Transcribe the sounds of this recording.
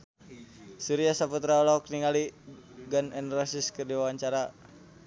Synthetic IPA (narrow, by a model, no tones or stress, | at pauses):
suɾiasaput̪ɾaɔlɔkniŋaliɡanɛnrasiskɨrdiwawaɲt͡ʃaɾa